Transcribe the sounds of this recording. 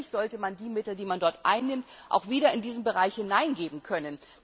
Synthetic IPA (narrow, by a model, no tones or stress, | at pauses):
ɪçz̥ɔltəmandiːmɪtl̩diːmandɔɐtʔa̰ɪnːɪmtʔa̰ʊxv̥iːdɐɪndiːzn̩bəʁaɪçhɪnaɪnɡeːbm̩kʰœnən